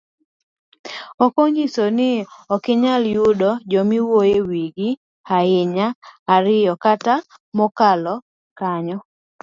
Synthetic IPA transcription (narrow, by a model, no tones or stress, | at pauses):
ɔkɔɲisonɪɔkɪɲaljʊdɔd͡ʒɔmiwojewiɡɪ | haɪɲaːɾɪjɔkata | mɔkalɔ | kaɲɔ